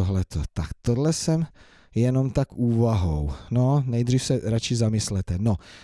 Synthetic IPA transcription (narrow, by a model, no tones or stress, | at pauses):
oɦlɛt̪ʰot̪akt̪odlɛsɛm | jɛno̞mt̪akuːvaɦownonɛjd̪rifsɛɾat͡ʃɪzamɪslɛt̪ɛno